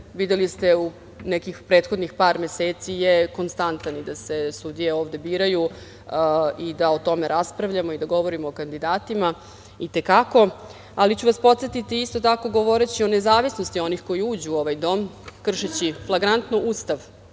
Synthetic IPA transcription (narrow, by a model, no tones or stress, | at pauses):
ʋid̪elist̪e̞u | nekixpɾeːt̪xo̞d̪nixpaːɾmeseːt̪sijeko̞nst̪ant̪anid̪ase̞sud̪ije̞o̞ːʋd̪e̞biːɾaju | id̪aot̪o̞me̞ɾʔaspɾaʋʎamo̞id̪aɡo̞ʋo̞ɾimoːkand̪id̪aːt̪ima | it̪e̞kako̞ | alit͡ɕuʋaspo̞t̪set̪it̪iist̪o̞t̪ako̞ɡo̞ʋo̞ɾet͡ɕio̞ne̞zaːʋisno̞st̪io̞nixko̞jiuːd͡ʑuo̞ʋajd̪o̞mkr̩ʃet͡ɕiflˠaɡɾant̪nuʔuːst̪aʋ